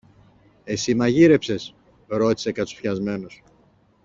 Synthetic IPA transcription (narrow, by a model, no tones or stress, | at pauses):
e̞simɐʝiɾe̞pse̞s | ɾo̞t̪i̥se̞kɐt͡su̥fçɐzme̞nos